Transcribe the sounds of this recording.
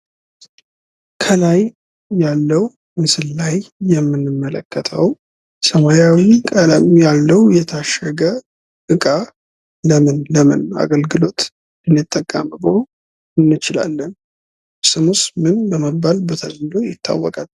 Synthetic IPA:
kʰəlajː | alːəw | mɨsɨllajːɛmːɨnːɨmːələkʰːət̪ʰə̰w | səmajawikʼələmjalːəwjɛt̪ʰaʃəɡə | kɨkʼa | ləmɨnləmɨna̰ɡəlɡɨlo̞t̪ | ɨnːɨt̪ʼːəkʼːə̰mbɨho | ɨnːɨt͡ʃɪla̰lːən | sɨmusmɨnbəməbːalbət̪ʰəzd̪ojɪt̪ʰːa̰wːɔkʼal

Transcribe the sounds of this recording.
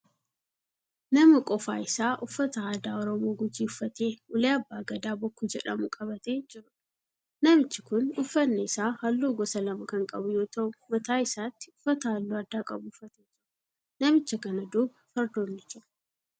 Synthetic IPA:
nɐmɐkʼɔfa̰ːɪsaːʔʊfːɐt̪ɐaːd̪aːɔɾɔmoːɡʊd͡ʒiʊfːɐt̪eːʊleːɐbːaːɡɐd̪aːbɔkːud͡ʒɛᶑɐmʊkʼɐβɐt̪eːd͡ʒɪɾʊᶑ | nɐmɪt͡ʃːɪkʊnʊfːɐnːeɪsaːhɐlːuːɡɔsɐlɐmɐkɐŋkʼɐbʊjo̞ːt̪ɐʔʊmɐt̪aːɪsaːt̪ːɪ̥ʊfːɐt̪ɐhɐlːuːɐd̪ːaːkʼɐbʊʊfːɐt̪ed͡ʒɪɾʊ | nɐmɪt͡ʃːɐkɐnɐd̪uːbɐfɐɾd̪oːnːɪt͡ʃːʊ̥

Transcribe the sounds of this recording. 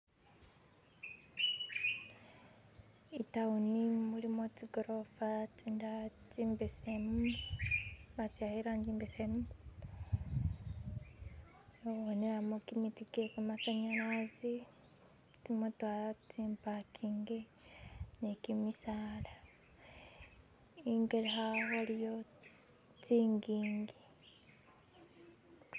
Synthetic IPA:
itaunimulimociɡoɾofatindacimbesemu | βatjahiɾwaɲɟiːmbesemu | woneɾamokimitikekumasaɲaɾazi | timutwaːlat͡siːmpakʰiŋɡe | nekimisala | iŋɡelehaɣolijo̞ | t͡siːŋɡiːŋɡi

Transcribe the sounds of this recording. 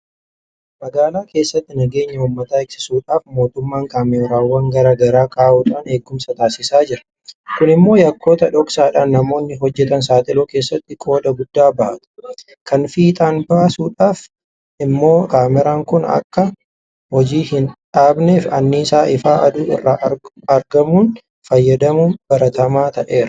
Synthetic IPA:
mɐɡaːlaːke̞ːsːɐt̪ːɪnɐɡe̞ːɲːɐʊːmːɐt̪aːɪksɪsuːᶑaːfmo̞ːt̪ʊmːaːŋkaːmɛɾaːwːɐŋɡɐɾɐɡɐɾaːkaːʔuːᶑaːneːɡːʊmsɐt̪aːsɪsaːd͡ʒɪɾɐ | kʊnɪmːo̞ːjɐkːo̞ːt̪ɐᶑɔksaːᶑaːnːɐmo̞ːnːɪɦɔd͡ʒːɛt̪ɐnsaːt̪ʼɪloːkeːsːɐt̪ːɪkʼo̞ːᶑɐɡʊd̪ːaːbɐʔɐt̪ʊ̥ | kɐnfiːt̪ʼaːnbaːsuːᶑaːf | ɪmːo̞ːkaːmɛɾaːŋkʊnɐ̰kːɐ | hɔd͡ʒiːhɪnᶑaːbneːfɐnːisaːʔɪfaːʔɐd̪uːɪ̰rːaː | ɐɾɡɐmuːn | fɐjːɐd̪ɐmunb̥ɐɾɐt̪ɐmaːt̪ɐʔe̞ːɾɐ̥

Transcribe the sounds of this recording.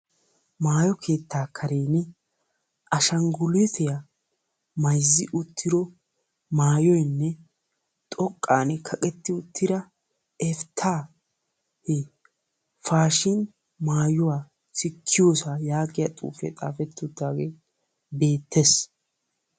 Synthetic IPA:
maːjɔkʰe̞ːt̪ːaːkʰɐɾeːnɪ | ʔɐʃɐŋɡʊlɛt̪ɛja | mɐjzːɪʔʊt̪ːɪɾɔ | maːjɔjnːɛ | t̪ʼɔkʼːaːnɛkʰɐkʼɛt̪ːɪʊt̪ːɪɾɐ | ɛft̪ʰːaː | hɛ | faːʃɪn | maːjʊwaː | sɪkʰːɪjoːsajaːɡʼɪjɐt̪ʼṵːfɛ̰t̪ʼa̰ːfɛt̪ːʊd̪ːaːɡeː | be̞ːt̪ʰːes

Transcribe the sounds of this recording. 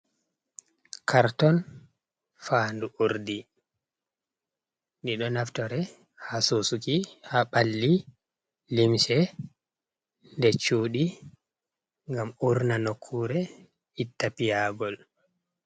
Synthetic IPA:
kʰaɾtɔn | faːnduʔuɾdi | ndiɗɔnaftɔɾɛ | hasosukihaɓalːi | limʃɛ | ndɛt͡ʃuːɗi | ŋɡamuɾnanokʰːuɾɛ | itːapijaɡɔl

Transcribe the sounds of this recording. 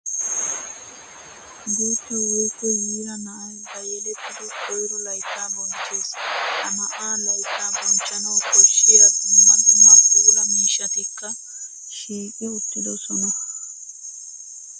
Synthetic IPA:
ɡuːt̪ːɛwɔjkːɔjiːɾɐnɐːbɐjɛlɛtɪd̪ɪkʰɔjɾɔlɐjt̪ʼːabɔnt͡ʃʼːeːsɐmɐʔaːlɐjt̪ʰʼːaːbɔnt͡ʃʼːɐnɐwkɔɾʃɪjad̪ɪmːɐnmɐkkuːlɐmiːʃɐt̪ɪkːɐ | ʃiːkʼɪʊt̪ːɪd̪ɔsɔnɐ

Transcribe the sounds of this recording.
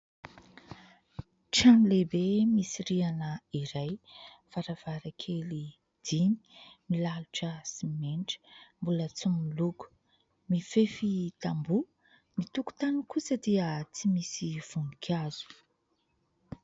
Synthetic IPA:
ʈ͡ʂanlebemisiɾianəiɾaj | faɾav̥aɾakʰeli | d̪̥ini̥milaluʈ͡ʂəsimenʈ͡ʂə̥mbulət͡sumiluku̥ | mifefit̪ambu | mit̪uku̥t̪anukusəd̪iət͡simisiv̥unikʰazu̥

